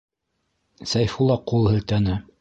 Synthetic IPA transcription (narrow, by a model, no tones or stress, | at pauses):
sæjfulˠɑqulˠhɘ̆lt̪ænɘ